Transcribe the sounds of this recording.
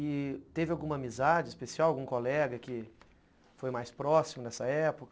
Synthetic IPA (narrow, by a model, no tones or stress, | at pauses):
ɪt̪evɪawɡũmɐːmizad͡ʒɪispesiawawɡũkolɛɡɐkɪ | fojmajspɾɔsimʊnɛsɐɛpʊkɐ